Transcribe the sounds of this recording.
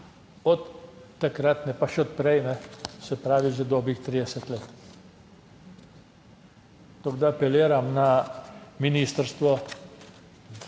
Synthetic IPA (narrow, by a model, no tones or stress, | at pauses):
ɔt̪ːakɾat̪nɛpaʃɛɔt̪̚pɾɛjmɛsɛpɾaːʋiʒɛd̪ɔːbɾixt̪ɾid̪ɛsɛt̪leːt̪ | t̪ɔɡd̪apɛleːɾamna | miniːst̪əɾst̪ʋɔ